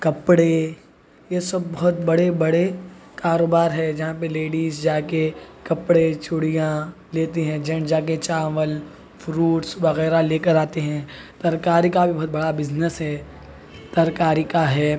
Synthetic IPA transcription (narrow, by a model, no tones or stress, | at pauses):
kɐpɽe | jesɐbːɐɦɔt̪bɐɽebɐɽekaːɾoːbaːɾɦɛːd͡ʒɐɦãpeleːɖiːzd͡ʒaːkekɐpɽet͡ʃʊɽijã | leːt̪eɦɛ̃d͡ʒɐ̃ɳʈd͡ʒaːk̬et͡ʃaːʋəl | fʰɾuːʈsʋɐɣɛːɾaleːkəɾaːt̪eɦɛ̃ːt̪ɐɾkaːɾikabʱibɐɦːt̪̚bɐɽabɪznəsɦɛː | t̪ɐɾkaːɾikaɦɛː